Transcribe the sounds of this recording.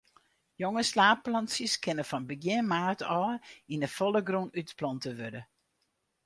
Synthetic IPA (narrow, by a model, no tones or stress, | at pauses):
joŋəslaːp̚lɑnsjəskʰɪnəfɔnbəɡjɪmaːrtʰɔːinəfɔlˠəɡrunytplɔntəʋødə